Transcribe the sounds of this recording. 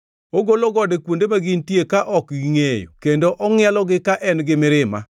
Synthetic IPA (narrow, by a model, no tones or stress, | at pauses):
oɡoloɡɔdekwondemaɡintjekaʔɔkɡiŋejo̰kendoʔɔŋɪɛlɔɡɪkaʔɛnɡɪmɪɾɪma̰